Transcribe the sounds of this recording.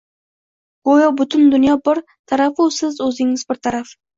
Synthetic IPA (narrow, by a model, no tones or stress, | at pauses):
ɡ̥ojobʊt̪ʰʊnd̪ʊnjɒbɪɾ | t̪ʰaɾafsɪzɵzɪŋɪzbɪɾt̪ʰaɾaf